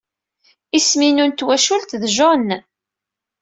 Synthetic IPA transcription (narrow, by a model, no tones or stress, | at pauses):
isminunt̪wæʃult̪ðʒɔn